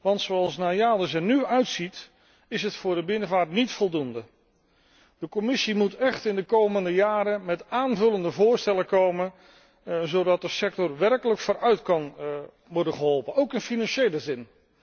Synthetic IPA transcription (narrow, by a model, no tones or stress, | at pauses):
ʋɑntsowɑlˠsnaːjaːdəsɛnyœɥtsit | ɪsɦətfʊːɹdəbɪnəvaːɹtnitfɔlˠdundə | d̥əkɔmɪsimutɛχtɪndəkowməndəjaːɾəmɛtaːnvɵləndəvʊːɹstɛləkowmən | zowdɑt̚dəsɛk̚tɔrʋɛrkələkfʊːɾʔœɥtkɑn | ʋɔɹdənχəɦɔlˠpənowkɪnfinɑnʃejləzɪn